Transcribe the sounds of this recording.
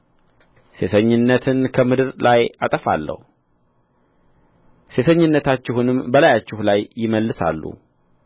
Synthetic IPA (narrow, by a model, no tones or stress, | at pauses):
se̞sʰəɲːɪnːət̪ʰɨnkʰəmɨd̪ɨɾlʔajat̪ʼəfa̰lːə̰hu | se̞sʰəɲːɪnːət̪ʰat͡ʃːɪhunɨmbəlajat͡ʃːɪhlajjɪməlːɨsa̰lːṵ